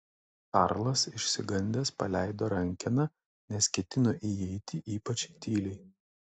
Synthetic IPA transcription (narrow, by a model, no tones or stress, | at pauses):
kɑɾlˠɐsɪʃʲsʲɪɡɐnʲd̪ʲeːspɐlʲæˑɪd̪oːɾɐŋʲkʲɛnɐ | nʲɛskʲɛt̪ʲɪnoːʔijɛɪt̪ʲɪʔiːpɐt͡ʃʲt̪ʲiːlʲɛɪ